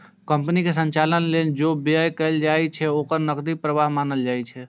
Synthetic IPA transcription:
kəmpnikes̬ənt͡ʃalənlend͡ʒobəjkəɪld͡ʒajt͡ʃʰɛokəɾnəkd̪ipɾəʋaɦmanəld͡ʒajt͡ʃʰɛ

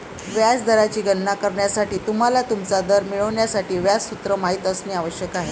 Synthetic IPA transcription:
ʋjad͡zd̪əɾat͡ɕiːɡənːakəɾɳjasaʈiːt̪um̤alat̪umt͡sad̪əɾmiɭəʋɳjasaʈiːʋjad͡zsut̪ɾəmaɦiːt̪əsniːaʋəɕjəkaɦe

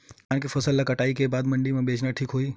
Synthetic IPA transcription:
kaːnkifɐsəlːakɐʈaːikebaːd̪mɐ̃ɳɖimẽbʱeːd͡ʒnaʈʰiːkɦoːiː

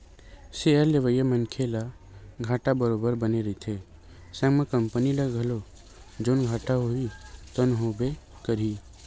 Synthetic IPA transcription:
seəɾleʋəjəmənkʰela | ɡʱaːʈabəɾoːbəɾbəneɾəit̪ʰe | sɛ̃ŋmãkəmpənilaɡʱəlo | d͡ʒoːnɡʱaːʈaɦoit̪ənɦobe | kəɾi

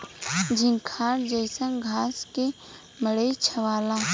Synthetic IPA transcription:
d͡ʒɪ̃ŋkʰaːɾd͡ʒəɪsə̃ŋɡʱaːske | məɽəit͡ʃʰɐʋaːlãː

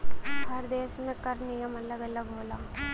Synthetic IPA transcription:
ɦəɾd̪eːsmẽkɐɾnɪjəmɐləɡələɡɦoːlãː

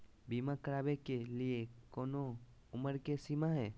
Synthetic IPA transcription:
biːmakəɾaːbekeliekoːnoʊməɾkesimaɦɛː

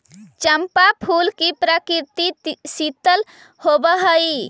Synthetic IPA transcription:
t͡ʃəmpapʰulkipɾəkiɾt̪isit̪əl | hobəɦəi

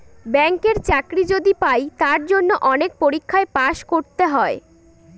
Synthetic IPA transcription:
bɛŋkeɾt͡ɕakɾid͡ʑod̪ipajt̪aɾd͡ʑonːoʔɔnek̚poɾikʰːaepaʃkoɾt̪eɦɔe

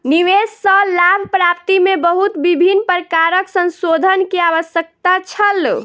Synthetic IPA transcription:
niʋesːəlabʱpɾap̚t̪imebəɦut̪bibʱinpəɾəkaɾəksə̃nsod̪ʱənkiaʋəsjək̚t̪at͡ʃʰəl

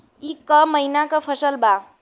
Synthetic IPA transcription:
ikːəməinakʌpʰəsəlba

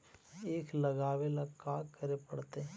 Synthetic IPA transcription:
eːklɐɡaːwelakaːkəɾepɐɽt̪e

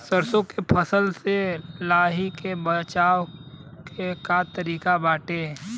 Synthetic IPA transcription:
səɾsõkepʰəsəlselaːɦikebət͡ʃaːw | kekat̪əɾiːkabaːʈe

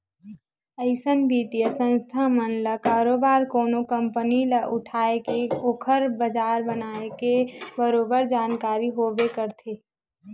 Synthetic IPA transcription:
əɪsənbʱiːt̪ijəsə̃nst̪ʰamənləkaːɾoːbaːɾkoːnokə̃mpəniləʔʊʈʰaːekeoːkʰəɾbəd͡ʒaːɾbənaːekebəɾoːbəɾd͡ʒaːnkaːɾiɦoːbekəɾt̪ʰeː

